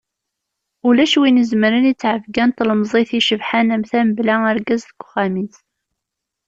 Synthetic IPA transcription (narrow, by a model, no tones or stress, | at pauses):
ulæʃwinəzməɾənit͡sːʕəvɡænt̪lmzˤeθiʃəvħanæmθæmblææɾɡæzθəɡ̥ʷχæmiθ